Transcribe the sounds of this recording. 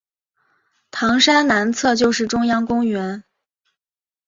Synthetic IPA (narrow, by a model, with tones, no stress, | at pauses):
t̪ʰɑ˧˥ŋʂa˥nna˧˥nt͡sʰɤ˥˧t͡ɕjo˥˧ʊʂɻ̩˥˩ʈ͡ʂʊ˥ŋjɑ˥ŋkʊ˥ŋɥɛ˧˥n